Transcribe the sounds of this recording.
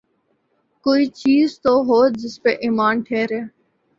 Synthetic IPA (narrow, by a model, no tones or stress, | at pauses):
koːiːt͡ʃiːzt̪oɦoːd͡ʒɪspeʔɪmaːnʈʰeːɾeː